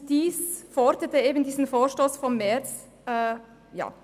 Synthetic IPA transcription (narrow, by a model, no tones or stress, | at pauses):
d̥iːsfɔɾdətəeːbən̩diːzən̩foːʃtoːsfɔnmes | ə | jɑ̰ː